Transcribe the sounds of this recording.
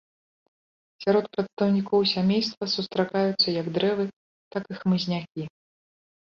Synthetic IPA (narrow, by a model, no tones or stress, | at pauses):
sʲaɾɔt̪̚pɾɐt̪st̪ɐwnʲikɔwsʲamʲejst̪vɐsust̪ɾakajut̪sːɐjɐɡd̪ɾɛvɨ | t̪akɨxmɨzʲnʲakʲi